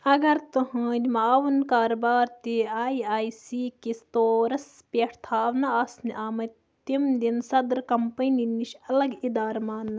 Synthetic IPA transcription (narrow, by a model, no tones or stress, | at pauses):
ɐɡɐɾt̪uɦɐːd͡ʒʲmɐaːʋunkaːɾbaːɾt̪iaːjaːjsiːkist̪oːɾɐs | pʲeʈʰt̪ʰaːʋnɐaːsniʔaːmɐ | t̪imd̪insɐd̪ɾkɐmpɐniniʃɐlɐɡid̪aːɾmaːnːɐ